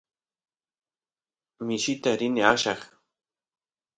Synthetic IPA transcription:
mɪʃit̪aɾɪnɪɑʃɑχ

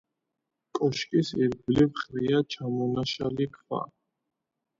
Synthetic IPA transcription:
kʼɔʃkʼisɛɾɡblivχɾiat͡ʃʰamɔnaʃalikʰva̰

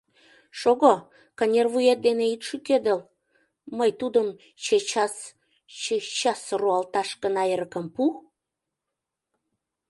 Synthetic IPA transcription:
ʃoɣo | kɑnʲervujet̪̚d̪eneit̪ʃykød̪əl | məjt̪ud̪əm | t͡ɕet͡ɕɑs | et͡ɕɑsruɑlt̪ɑʃkənɑeɾəkəmpu

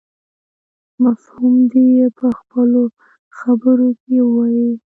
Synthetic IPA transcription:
mafhumd̪ejepəxpəlo | xabəɾokewɑji

